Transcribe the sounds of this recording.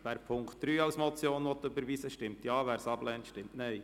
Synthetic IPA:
ʋæːɾpʰʊŋktd̥ɾyːɑwsmɔt͡sjoːnʋɔt̪ɵbəɾʋisəʃtɪmtjɑːʋæːɾsɑblɛːntʃtɪmtnɛɪ

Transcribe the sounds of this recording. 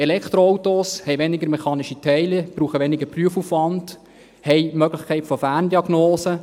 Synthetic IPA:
ɛlɛkχt̪ɾoowtoshɛjʋɛnɪɡəɾmɛχɑːnɪʃitʰɛɪlɛb̥ɾuːχəʋɛnɪɡəpryəfufʋɑnd̥ | hɛɪmœɡlɪxkʰɛɪtfɔfæːrndiɑɡnoːsə

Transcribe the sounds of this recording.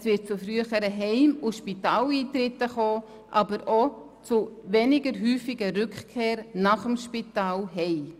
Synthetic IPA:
svɪt̚t͡sʊfɾyəχəɾəɦɛɪmʊʃpitaːliːt̪ɾɪtːəχoː | ʔɑbəɾʔo | t͡sʊʋɛnɪɡəɾɦyːfɪɡəɾʏkkʰːeːɾnaχəmʃpitaːlɦɛɪ

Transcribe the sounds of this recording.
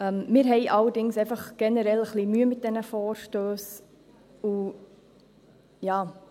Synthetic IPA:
əmmɪːɾɦɛɪʔɑlːəɾdɪŋsɛɪfɑχɡ̥ɛnəɾɛləχlimyəmɪt̚d̥ɛnəfɔːɾʃtøːs | u | jɑː

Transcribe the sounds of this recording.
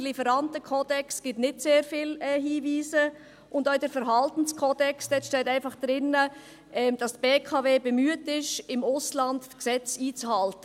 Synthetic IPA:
lifəɾɑntəkʰɔːd̥ɛksɡ̥ɪtnɪtseːɾfiːlɛhiːviːzə | ʔʊndoːɪdɛɾfəɾɦɑltən̩skʰoːd̥ɛksd̥ɛtʃtɛːtæɪnfɑχd̥ɾɪnə | ʔɛd̥ɑstb̥eːkʰɑːveːbɛmyətɪʃɪmʊslɑndksɛt͡siːt͡shɑltə

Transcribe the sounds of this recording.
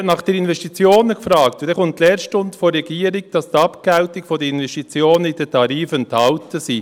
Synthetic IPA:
nɑχd̥ɛɾɪnvɛʃtit͡sjoːnəkfɾɑːkt̪d̥̪ɛχʊntlɛːɾʃtʊndfoɾːɛɡ̥iːəɾɪɡ̚d̥ɑstɑpkɛwtɪkfɔdəɪnvɛstit͡sjoːnəid̥ɛtʰɑɾiːfənthɑwtəsiː

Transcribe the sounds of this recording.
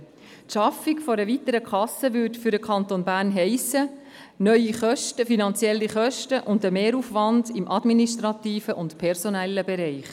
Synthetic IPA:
tʃɑfikfoɾəvit̪əɾəkʰɑsəʋʏtfyɾdəkʰɑntonbæːɾnɦɛɪsə | nœʏiχœʃtəfinɑnt͡sjɛlːiχœʃtəʔʊndəmeːɾuːfʋɑndɪmʔɑdminiʃtɾɑtiːfəʔʊntpʰɛɾsonɛlːəbɛɾɛɪχ

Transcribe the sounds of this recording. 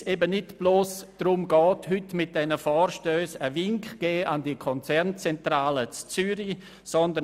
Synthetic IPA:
seːbənɪtb̥loːsd̥rʊmɡɔːthʏtmɪt̚d̥ɛnəfɔːrʃtøːsəvɪŋkχɡ̥ɛːʔandikʰɔnt͡sɛɾnt͡sɛntɾaːlət͡st͡syɾi | sɔndə

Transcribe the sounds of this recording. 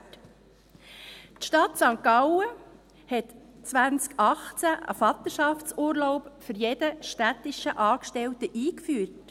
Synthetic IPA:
t | tʃtɑtsɑŋkɑʊə | hɛtt͡sʋænt͡skɑχt͡sæʔə̰fɑt̪əʃɑft͡suːɾloʊpfʏɾjɛd̥əʃtætɪʃəʔɑːkʃtɛltəʔiːkfyːt

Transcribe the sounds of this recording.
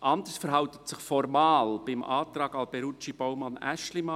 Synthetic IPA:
ʔɑnd̪əɾsfəɾɦɑʊt̪ətsɪχfɔɾmɑːlb̥ɪmʔɑːt̪ɾɑːɡɑlbɛɾut͡ʃib̥ɔwmɑnæ̰ʃlimɑ

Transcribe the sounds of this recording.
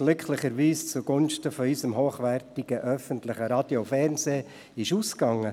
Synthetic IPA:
ɡ̥lʏkʰlɪχəɾʋiːst͡sʊɡ̥ʊnʃtəfɔizəmɦoːχʋɛrtɪɡ̥əʔœfəntlɪχəɾɑd̥jofɛrnzeː | ɪʃuːskɑŋːə

